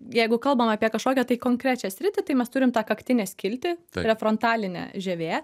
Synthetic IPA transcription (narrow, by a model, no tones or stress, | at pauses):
jɛɪɡʊkɐlˠbɐmɑːpʲiɛkɐʃkoːkʲɛt̪ɐɪkoːŋkɾʲæːt͡ʃʲɛsʲɾʲɪt̪ʲɪt̪ɐɪmʲɛst̪ʊɾʲɪmt̪ɑːkɐkt̪ʲɪnʲɛːsʲkʲɪlʲt̪ʲɪɾʲɛfɾont̪ɑːlʲɪnʲɛ̰ːʒʲɛʋʲeː